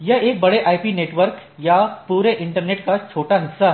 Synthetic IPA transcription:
jɐɦeːk̚bɐɽeʔaːipineːʈʋəɾkjapuːɾeʔɪ̃ɳʈəɾneːʈ̚kat͡ʃʰoːʈaɦɪsːa

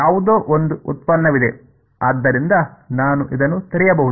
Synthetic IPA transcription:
jaːʋud̪oːʔond̪uʔut̪̚pɐnːɐʋid̪e̞ | aːd̪ːɐɾind̪ɐnaːnuʔid̪ɐnːut̪iɾɛjɐbɐɦud̪u

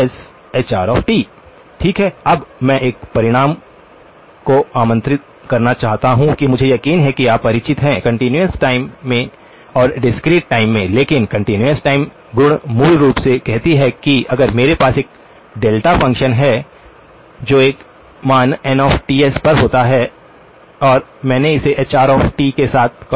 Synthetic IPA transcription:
ɛs | et͡ʃaːɾɔːfʈiː | ʈʰiːkɦɛɐbmɛ̃ʔeːkpɐɾɪɽ̃aːm | koaːmə̃nt̪ɾɪt̪̚ | kɐɾnat͡ʃaːɦt̪aɦũkimʊd͡ʒʱejɐkiːnɦɛkiaːppɐɾɪt͡ʃʰɪt̪ɦɛ̃kɐ̃ɳʈɪnjuəsʈaːɪmːẽ | ɔːɾɖɪskɾiːʈːaːɪmːẽleːkɪnkɐ̃ɳʈɪnjuəsʈaːɪm | ɡʊɽ̃muːlɾuːpsekɛɦt̪iɦɛkiɐɡəɾmeːɾepaːseːk̚ | ɖeːlʈafɐ̃ŋkʃənɦɛ | d͡ʒoːeːk | maːnɛnɔːfʈiːespɐɾɦoːt̪aɦɛ | ɔːɾmɛ̃ːneɪseʔet͡ʃaːɾɔːfʈiːkesaːt̪̚ʰ

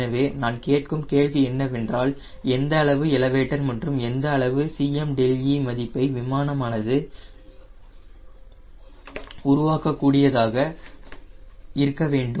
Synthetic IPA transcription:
ɐʋeːnaːnkeːʈkɯmkeːɭʋiɛnːɐʋɛndraːl | ɛnd̪ɐːɭɐʋɯɪlɐʋeːʈːɐɾmɐndrɯmɛnd̪ɐːɭɐʋɯsiːɛmɖɛljimɐðɪpːɐɪʋɪmaːnɐmaːnɐðɯ | ʊɾʊʋaːkɐkːuːɽɪjɐðaːɣɐ | ɪɾɯkːɐʋeːɳɖɯ

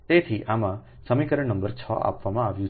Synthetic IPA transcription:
t̪et̪ʰiʔamã | səmikəɾənəmbəɾt͡ʃʰɔ̰ʔa̰pʋamãaʋjũ

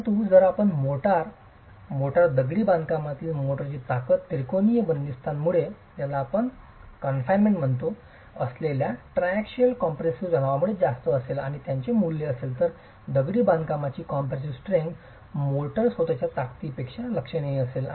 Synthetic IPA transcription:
t̪ũd͡zəɾapəɳmoʈaɾ | moʈaɾd̪əɡɽiːbãnd̪ʱkamat̪iːlmoʈəɾt͡ɕiːt̪akət̪ːiɾkonijəbənd̪ist̪ʰanmuɭet̪jalaːpəɳ | kənfajnmeɳʈm̤əɳt̪o | əsleljaʈɾajakɕəlkɔmpɾesud͡zʱənaʋamuɭed͡zast̪əːsela̰ɽ̃it̪jaɲt͡ɕemulːeəselt̪əɾ | d̪əɡɽiːbãnd̪ʱkamat͡ɕiːkɔmpɾes̬isʈɾeŋɡ | moʈəɾsʋod̪at͡ɕjat̪akt̪iːpekʂaləkʂəñeiəsel

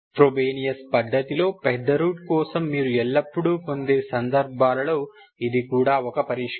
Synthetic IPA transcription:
pɾobeːnijɐspɐd̪ːɐt̪ilo̞ːpɛd̪ʱːɐɾuːʈkɔːsɐmːiːɾuɛɭːɐpːuɽuːpo̞nd̪e̞ːsɐnd̪ɐɾbʱaːlɐlo̞ː | id̪ikuːɽaːɔkɐpɐɾiːʂ

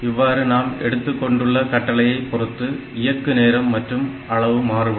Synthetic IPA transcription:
ɪʋːaːɾɯnaːmɛɽɯt̪ːɯkːɔɳɖɯɭːɐkɐʈːɐɭɐjɐɪpːɔrɯt̪ːɯ | ɪjɐkːɯneːɾɐmːɐʈrɯm | ɐɭɐʋɯmaːrɯʋɐ

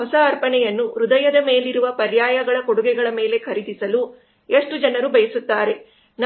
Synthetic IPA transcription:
ɔsɐːɾpɐnɛjɐnːuɾud̪ɐjɐd̪ɐme̞ːliɾuʋɐpɐɾjaːjɐɡɐɭɐkoɽuɡɛɡɐɭɐme̞ːle̞kʰɐɾid̪isɐlu | eʂʈud͡ʒɐnɐɾubʱɐjɐsut̪ːaːɾe̞ | n

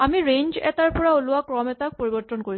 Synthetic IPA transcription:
amiɾeɲd͡ʑɛ̰t̪aɹpɔɹaoluakɾɔmɛt̪ak̚poɾibɔɾt̪ːonkoɹi

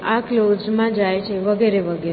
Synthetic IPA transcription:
aklod͡ʒmãd͡ʒajt͡ʃʰeʋəɡeɾeʋəɡe

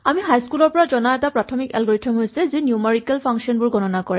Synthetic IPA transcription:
amiɦajskulɔɹpɔɹazɔnaɛtapɹatʰɔmikɛ̰lɡɔɹitʰɔmɦojsɛzinjumeɹikɛlpʰaŋksiɔnbʊɹɡɔnɔnakɔɹɛ

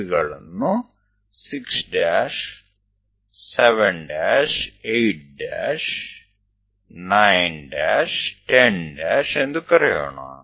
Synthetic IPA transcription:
ɣɐɭunːu | siksɖaːʂ | seʋeɳɖaːʂejʈ̚ɖaːʂ | najnɖaːʂʈenɖaːʂe̞nd̪ukɐɾɐja̰ːɳɐa

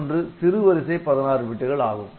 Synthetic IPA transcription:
ndrɯsɪɾɯʋɐɾɪsɐɪpːɐðɐnaːɾɯʋɪʈːɯɣɐɭaːɣɯ̰m

